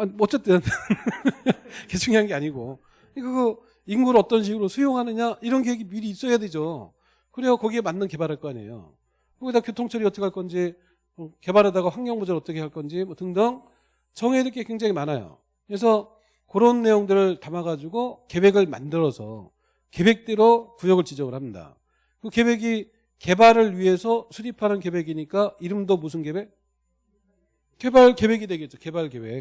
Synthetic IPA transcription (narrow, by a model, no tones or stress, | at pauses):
anʌt͡ɕ͈et͈ɯn | ket͡ɕʰuŋiɦanɡeaɲiɡo | ɯɲk͈akɯ | iŋɡuɾʌt͈ʌnɕ̬ʰiɡɯɾosʰujoŋɦanɯɲaiɾʌnkewe̞ɡimiɾiːs͈ʌjaded͡ʑo | kɯɾesʰʌkʌɡiemanːɯnke̞baɾɦaɭk͈ʌaɲḛjo̰ | koɡidakjotʰoŋt͡ɕʰʌɾiʌt͈ʌkʰaɭk͈ʌnd͡ʑi | ʌke̞baɾɦadaɣaɸwaŋɡjʌŋbod͡ʑʌɾʌt͈ʌkʰe̞aɭk͈ʌnd͡ʑimʌtɯŋdʌŋ | t͡ɕʰʌŋedɯk͈ʰekweŋd͡ʑaŋimanajo̰ | kɯɾes̬ʰʌ | koɾonːe̞joŋdɯɾɯɭtamaɡad͡ʑuɡoke̞bwe̞ɡɯɭma̰ndɯɾʌsʰʌ̰ | ke̞be̞k̚t͈eɾokujʌɡɯɭt͡ɕid͡ʑʌŋɯɭhamɲida̰ | kɯke̞bwe̞ɡi | ke̞baɾɯɭɥiɦe̞sʰʌsʰuɾipʰanɯnke̞bwe̞ɡiɲik͈aiɾɯmdomusʰɯnke̞bwe̞k̚ | kebaɭke̞bwe̞ɡidwe̞ɡe̞t̚t͡ɕ͈oke̞baɭke̞bek̚